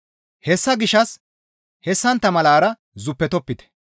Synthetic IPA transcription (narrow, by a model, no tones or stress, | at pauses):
hɛsːɐɡɪʃɐs | hɛsːɐnt̪ːɐmɐlaːɾɐ | zʊpːɛt̪ɔpːɪt̪ɛ̥